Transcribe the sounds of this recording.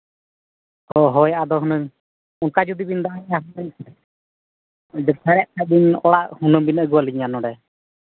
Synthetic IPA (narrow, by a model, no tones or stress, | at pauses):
ɔɦɔjʔad̪ɔɦunəɲ | unkad͡ʒud̪ibind̪aʔaɲaɦunəɲ | d͡ʒɛt̪ʰaɾɛʔk̪ʰaʔ̚binɔɽaʔhunəbinəɡuwaliɲanɔɽɛ